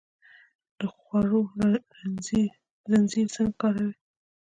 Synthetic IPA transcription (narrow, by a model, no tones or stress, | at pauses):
d̪̥əxwaɾo | ɾanziɾzaŋɡkɑɾawi